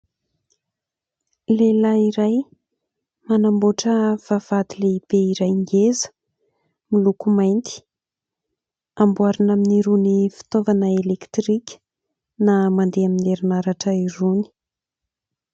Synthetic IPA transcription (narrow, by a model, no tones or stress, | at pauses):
lelaiɾaj | manamboʈ͡ʂəv̥av̥ad̪ileib̥eiɾajŋɡezə̥ | milukumajnt̪i̥ | ambuaɾinaminiɾunifi̥t̪ovanəelekt̪rikʲə̥ | namand̪eamineɾinaɾaʈ͡ʂəiɾuni̥